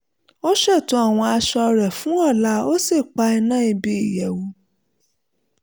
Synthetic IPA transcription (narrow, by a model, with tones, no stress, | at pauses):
o˦ʃɛ˦˨to˧˦a˦˨w̃ɔ̃˧a˧ʃɔ˧ɾɛ˨fũ˨˦ɔ˦˨la˨˦o˦se˦˨k͡pa˧ɛ˧nã˦i˧bi˧i˨jɛ˨wu˨˦